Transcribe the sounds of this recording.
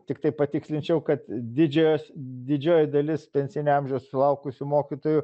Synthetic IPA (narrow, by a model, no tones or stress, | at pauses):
t̪ʲɪkt̪ɐɪpɐt̪ʲɪksʲlʲɪnʲt͡ʃʲɛʊkɐt̪d̪ʲɪd͡ʒʲɛjoːsd̪ʲɪd͡ʒʲoːjɪd̪ɐlʲɪspʲɛnʲsʲɪnʲeɐmʲʒʲɛossʊlˠɐʊkʊsʲʊmoːkʲit̪oːjʊ